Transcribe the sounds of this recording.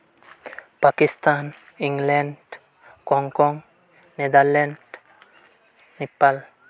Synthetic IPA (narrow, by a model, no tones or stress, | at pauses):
pakist̪an | iŋleɳɖ | kɔŋkɔŋ | ned̪aɾleɳɖ | nepːal